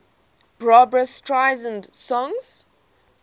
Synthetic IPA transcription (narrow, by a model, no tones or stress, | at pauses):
b̥ɹɔbɹəstʰɹaɪzə̃ndsɔ̃ŋz̥